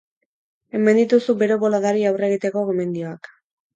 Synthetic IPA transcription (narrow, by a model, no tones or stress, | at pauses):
e̞mend̪it̪usube̞ɾo̞βo̞laðaɾiawre̞ɣit̪e̞ko̞ɣome̞nd̪io̞ak